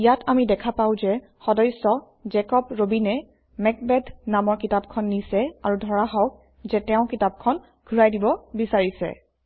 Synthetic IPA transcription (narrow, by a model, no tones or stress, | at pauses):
ijatʰamidɛkʰapaʊ̃zɛ | xɔdɔjsɔ | zɛkɔpɹobinɛ | mɛk̚bɛdʱnamɔɹkitab̚kʰɔnːisɛaɹudʱɔɹaɦɔk̚ | zɛtɛʊ̃kitap̚kʰɔn | ɡʱuɹajdibɔbisaɹisɛ̰